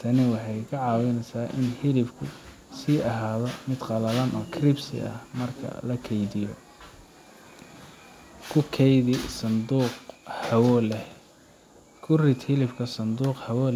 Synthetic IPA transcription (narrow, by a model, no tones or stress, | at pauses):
t̪ʰɐnɪwɑħɑjkʰɐʕɑːwɛnɛjsaːʔɪ̰nhɪlɪbkʰʊ | siːɐɦaːðɔmɪd̪qɑlɐlɐnʔɔːkʰrɪbsɪ̰ʔɐ̰hmɐrkʰɐ̰lɐkʰɛjðɪjɔ | kʰʊkʰɛjðɪsɐnd̪uːqhɐwɔlɛ | kʰʊrɪd̪hɪlɪbkʰɐsɐnd̪uːqhɐwɔː